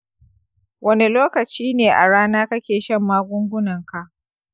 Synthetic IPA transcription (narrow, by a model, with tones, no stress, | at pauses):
wʔɐ˦ne˦loː˦kɐ˨t͡ʃiː˦neː˨ʔa̰˨ɽaː˦naː˦kɐ˦kʲeː˨ʃɐ˦˨mːaː˦ɡʷʊ˦ŋɡʷʊ˦nɐ˨ŋka˨ʔ